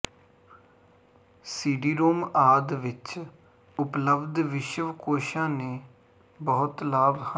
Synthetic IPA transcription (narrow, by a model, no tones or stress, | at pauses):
siːɖiːɾoːmaːd̪ʋɪt͡ʃ | ʊpləbd̪ʋɪʃəʋkoːʃãːneː | bəɦʊt̪laːbhə